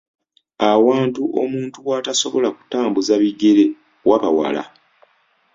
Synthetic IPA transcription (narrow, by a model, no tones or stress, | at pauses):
awaːntuʔo̞muːntuwaːtaso̞βo̞laku̥taːmbuzaβiɡe̞ɾe | wʔaβawa̰la̰